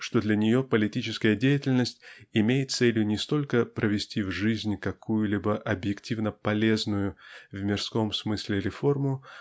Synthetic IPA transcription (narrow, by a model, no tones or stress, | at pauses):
ʂt̪o̞d̪lʲɐnʲɪjo̞pəlʲɪtʲit͡ɕɪskəjədʲejɪtʲɪlʲnəsʲtʲɪmʲejɪt̪t̪selʲjʊnʲɪst̪o̞lʲkəpɾʔəvʲɪsʲtʲivʐɨzʲnʲkɐkujʊlʲibəʔɐbjɪktʲivnəpɐlʲe̞znʊjʊvmʲɪrsko̞msmɨsʲlʲɪɾʲɪfo̞rmʊ